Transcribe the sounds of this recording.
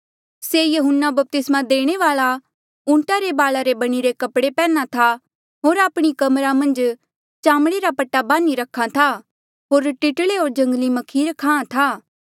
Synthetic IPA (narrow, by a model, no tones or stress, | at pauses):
seːjɐɦʊnːabɐp̚t̪ɪsmãd̪eːɽ̃eʋaːɭa | ũːɳʈaɾebaːlaɾebɐɽ̃iɾekɐpɽepɛːnat̪ʰa | ɦoːɾaːpɽ̃ikɐmɾamɐ̃nd͡ʒ | t͡ʃaːmɽ̃eɾapɐʈːabãːniɾɐkʰːat̪ʰa | ɦoːɾʈɪʈɭeɦoːɾd͡ʒɐ̃ŋɡlimɐkʰiːɾkʰãːãt̪ʰaː